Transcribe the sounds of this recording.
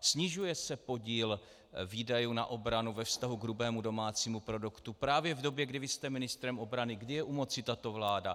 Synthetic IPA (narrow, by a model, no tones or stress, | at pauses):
sɲɪʒujɛsɛpo̞ɟiːl | viːdajuːna̰ʔo̞bɾanuvɛfst̪aɦuɡɾubɛːmudo̞maːt͡siːmupɾo̞dukt̪upɾaːvjɛvdo̞bjɛɡdɪvɪst̪ɛmɪnɪst̪ɾɛmʔo̞bɾanɪɡdɪjɛʔumo̞t͡sɪt̪at̪o̞vlaːda